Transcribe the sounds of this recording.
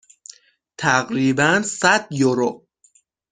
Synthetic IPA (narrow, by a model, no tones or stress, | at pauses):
t̪ʰæɣɾiːbænsæd̪joɾo